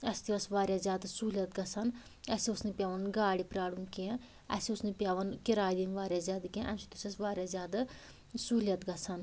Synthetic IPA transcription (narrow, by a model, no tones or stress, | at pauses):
ɐst̪iɐsʋaːɾʲjaːzʲjaːd̪ɐsuːlʲjɐt̪ɡɐsʰan | ɐsiosnɨpʲjaʋɐnɡaːɽipɾaːɽunkiã | ɐ̰siusnɨpʲaʋɐnkiɾaːjd̪inʋaːɾʲjaːzʲjaːd̪ɨkĩʔɐnsi̥t̪ʲusʲɐsʋaːɾʲjaːzʲjaːd̪a | suːlʲjɐt̪ɡɐsʰan